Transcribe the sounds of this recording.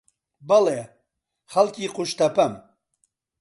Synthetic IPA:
bɐleː | χɐlkiːquʃt̪ɐpɐm

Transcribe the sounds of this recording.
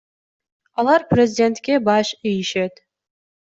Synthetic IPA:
ɑlˠɑɾprʲezʲɪdʲe̞nt̪kʲebɑʃijiʃet̪

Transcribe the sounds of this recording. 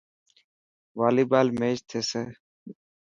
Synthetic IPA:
ʋaːliːbaːlmeːd͡ʒt̪ʰeːseː

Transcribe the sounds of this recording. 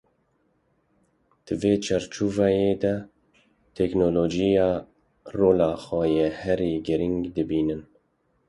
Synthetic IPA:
d̪̥ɨveːt͡ʃʰɛɾt͡ʃuːvɑjeːd̪ɛ | t̪ʰɛknoːloːd͡ʒijɑː | roːlɑːxɛjehɛɾiːɡɨɾiŋɡd̪ɨbiːnɨn

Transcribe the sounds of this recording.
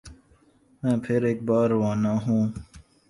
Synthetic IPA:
mɛ̃ːpʰɪɾeːk̚bɑːɾwãːnaːɦũː

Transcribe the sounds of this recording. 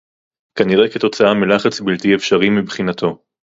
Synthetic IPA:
kaniʁeket̪o̞t͡saamilaχat͡sbilt̪iefʃaʁimibχinat̪o̞

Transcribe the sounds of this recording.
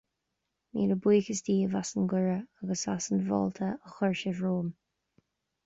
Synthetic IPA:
mḭːləbwiːxəsd̪iːəvasənɡʊɹəaɡəsasənvɔ̰ːlt̪ʰəəxɔɹʃɪvɹoːm

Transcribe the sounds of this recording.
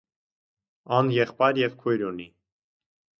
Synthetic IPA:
ɑnjɛχpɑjɾjɛvkʰujɾuni

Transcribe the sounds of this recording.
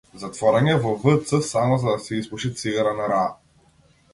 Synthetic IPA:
zat̪vɔɾɛnʲɛvɔvɤt̪sɤsamɔzad̪ɐsɛispuʃit̪siɡaɾanaɾa

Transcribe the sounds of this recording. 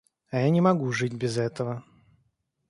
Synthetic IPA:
ɐjanʲɪmɐɡuʐɨtʲbʲɪzɛt̪əvə

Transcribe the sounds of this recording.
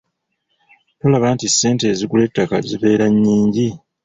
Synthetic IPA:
to̞laβantisːe̞ːnte̞ːzikule̞tːakaziβe̞ːɾaɲːiːɲɟi

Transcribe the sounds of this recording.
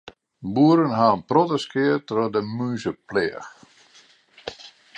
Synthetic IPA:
buəɾənɦaːnprɔtəskɪətrɔdəmyːsəplɛəx

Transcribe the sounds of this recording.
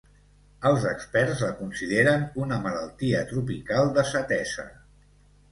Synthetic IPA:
əlˠzəkspɛrzləkunsiðeɾənunəmələlˠt̪iət̪ɾupikalˠd̪əsət̪ɛzə̰

